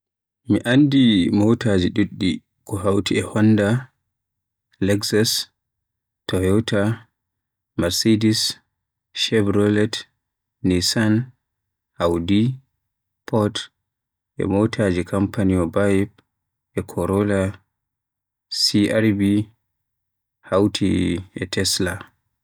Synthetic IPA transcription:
miʔandimowtad͡ʒiɗuɗːi | kɔɦawtiɛhɔnːda | lɛɡsas | tɔhɛwtʰa | maɾsidis | ʃɛbɾɔlɛt | nisan | hawdi | pʰɔt | ʔɛ̰motʰad͡ʒikʰampaniɔbajp̚ | ʔɛkʰɔɾɔla | siʔaɾbi | hawtʰḭɛtʰɛsla

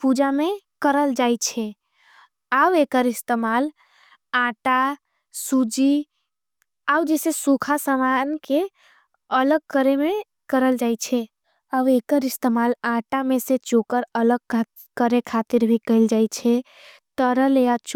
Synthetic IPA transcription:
pud͡ʒamekəɾəld͡ʒajt͡ʃʰɛ | awekəɾist̪emal | ãʈa | sud͡ʒi | awd͡ʒesesukʰasəmanke | ələɡ̚kəɾeme | kəɾəld͡ʒajt͡ʃʰɛ | awekəɾist̪emalãʈameset͡ʃokəɾələɡ̚ | kəɾekʰat̪iɾbʱikəɪld͡ʒajt͡ʃʰɛ | t̪əɾəlejat͡ʃ

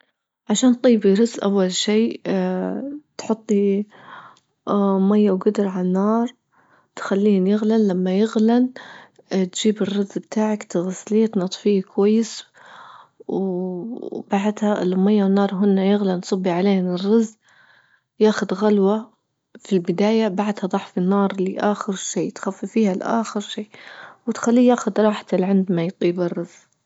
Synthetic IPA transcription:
ʕaʃaːnt̪ˤiːbiɾɪzːʔawːalʃiː | t̪ħʊt̪ˤːi | majːawɡʊd̪ɾʕalanːɑːɾˤ | t̪xalːiːnjɪɣlanːamːajɪɣlan | t̪d͡ʒiːbɪrːɪzːbt̪ʰaːʕakt̪ɪɣasliːt̪nɑt̪ˤfiːkwajːɪs | w | baʕd̪haʔlːʊmajːawɪnːɑːɾˤɦʊnːajɪɣlansˤɑbːiʕaleːnɪrːɑz | jaːxʊd̪ɣalwa | filbɪd̪aːjabaʕd̪hɑd̪ˤɑħfinːɑːɾˤliʔaːxɪɾʃiːt̪xafːifiːhalʔa̰ːxɪɾʃiːwɪt̪xalːiːjaːxʊd̪ɾˤɑːħt̪ɪlʕɪnd̪majt̪ˤiːbɪrˤːɑz

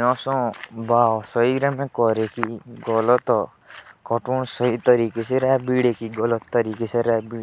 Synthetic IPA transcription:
ɔ̃sɔ̃baɔsɔiɾɛmẽkɔɾekiɡɔlɔt̪ɔ | kɔʈunsɔɦit̪ɔɾikeseɾɛbiɽekiɡɔlɔt̪ːɔɾikeseɾabi

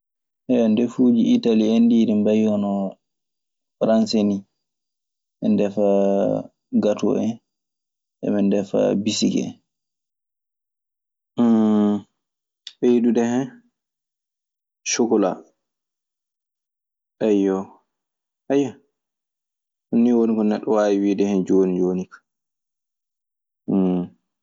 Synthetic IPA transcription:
hɛɔndɛfuːd͡ʒiːtaliendiːɾimbajɔnɔ | fɾanseni | ʔɛndɛfa | ɡatṵɛ | ʔɛ̰ɓɛndɛfa̰bisiɡɛ̰ | ɓɛjidudɛhɛn | ʃokɔla̰ | ʔɛjɔ | ʔɛja | hunːiwonikɔnɛɗːɔwawiwidɛhɛnd͡ʒonid͡ʒoːnikḁ

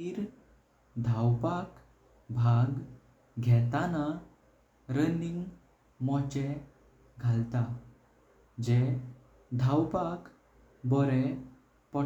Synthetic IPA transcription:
iːɾ | d̪ʱawpak | bʱaɡ | ɡʱɛt̪ana | ɾəniŋɡ | mɔt͡ɕɛ | ɡʱalt̪a | d͡ʑɛ | d̪ʱawpak | bɔɾɛ | pɔ

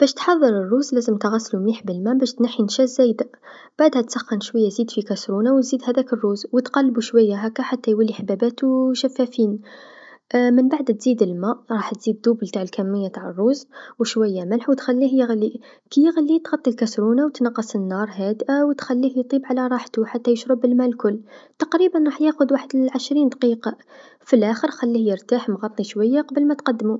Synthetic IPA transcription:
b̥æʃt̪ħɑðˤːəɾərːuzlæzəmt̪ɣæsːlumliħbəlmæʔbæʃt̪naħːinʃæzæjd̪æʔ | b̥aʕd̪hæt̪sɑxːənʃwæjːazid̪fikæsɾunawt̪zid̪hæd̪ækərˤːuzwət̪qɑlːbuʃwæjːaɦækːæħat̪ːæjwælːiħbæbæt̪wʃæfːæfin | mənbaʕd̪t̪z̥id̪əlmæʔɾˤɑħt̪z̥id̪d̪ubəlt̪aʕəlkæmːəjːat̪aʕərˤːuzwəʃwæjːaməlħwət̪xælːihjəɣlːi | kijəɣlːit̪ɣɑt̪ˤːilkæsɾunawt̪nɑqːɑsˤənːɑɾˤɦæd̪ʔawət̪xælːihjt̪ˤibʕlaɾˤɑħt̪uħat̪ːæjəʃɾəbəlmælkʊlːt̪ɑqɾibənɾˤɑħjæxʊd̪waħəd̪əʕəʃɾind̪ɑqiqɑ | filʔæxəɾxælːihjəɾˤt̪aħmɣɑt̪ˤːiʃwæjːaqɑbəlmæt̪qɑd̪ːmu

